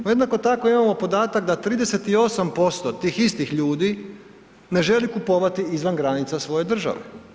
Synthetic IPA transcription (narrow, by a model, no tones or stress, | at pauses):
nojed̪nako̞t̪ako̞imamo̞po̞d̪aːt̪akd̪at̪ɾiːd̪e̞se̞t̪io̞sampo̞st̪o̞t̪iːxist̪ixʎuːd̪i | ne̞ʒe̞likupo̞ʋat̪iizʋanɡɾanit̪sasʋo̞je̞d̪r̩ʒa̰ʋḛ